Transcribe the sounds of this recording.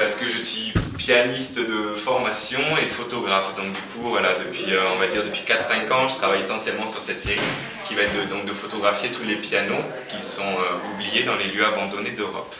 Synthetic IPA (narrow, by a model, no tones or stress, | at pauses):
paʁsə̥kəʒəsɥipjanist̪d̪əfɔʁmasjɔ̃efot̪ɔɡʁafd̪ɔ̃k̚d̪ykʰuvwalad̪əpʲɥiøɔ̃vad̪iʁd̪əpɥikat̪χsɛ̃kɑ̃ʒət̪χavajesɑ̃sjɛlmɑ̃syʁsɛt̪seʁi | kʲivaɛt̪̚d̪əd̪ɔ̃k̚d̪əfot̪ɔɡʁafjet̪ʰulepjano | kʲisɔ̃øublijed̪ɑ̃leljøabɑ̃d̪ɔned̪øʁɔ̰p